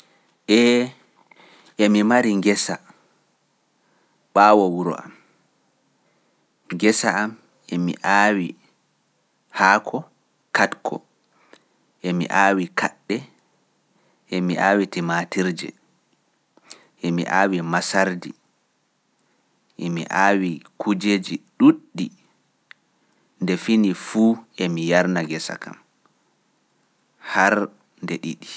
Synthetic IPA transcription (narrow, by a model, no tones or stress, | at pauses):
ʔɛ | ʔɛmimaɾiŋɡɛsa | ɓaːwɔwuɾɔ̰a̰m | ŋɡɛsaːm | ʔɛmḭʔaːwi | haːkʰɔ | katkʰɔ̰ | ʔɛmḭʔaːwikʰaɗːɛ | ʔemiʔaːwitimaːtiɾd͡ʒɛ̰ | ʔemḭʔaːwimasaɾdi | ʔemḭʔaːwikʰud͡ʒeːd͡ʒiɗuɗːi | ndɛfinifuːʔemijaɾnaɡɛsa̰ka̰m | haɾ | ndɛɗiɗi